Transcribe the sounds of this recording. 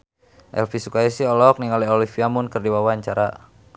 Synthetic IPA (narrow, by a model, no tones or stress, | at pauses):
ʔɛ̰lfisukaisiɔlɔk̚niŋɔlɛolifiamʊnkərdiwawaɲt͡ʃaɾa